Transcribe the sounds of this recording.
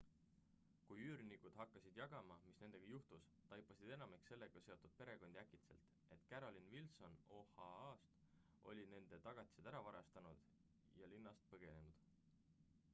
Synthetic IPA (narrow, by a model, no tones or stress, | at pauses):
kujyːɾnikud̪̥ɦɑkːɑsid̪̥jɑɡ̥ɑmɑmisne̞nd̪e̞ɡ̥ɑjuht̪us | t̪ɑjpːˑɑsid̪̥e̞nɑmikse̞lːe̞ɡ̥ɑse̞o̞t̪ːˑud̪̥̚pe̞ɾe̞ɡ̥o̞nd̪̥iækit̪se̞̰lt̪ | e̞t̪ːˑkæɾo̞linvilso̞nohɑɑːst̪ | ʔo̞̰lʲine̞nd̪̥e̞t̪ɑɡ̥ɑt̪ʲːˑi̥sed̪æɾɑvɑɾɑ̰st̪ɑnud̪̥ | jɑlinːɑst̪̚pɤɡ̥e̞ne̞nud̪̥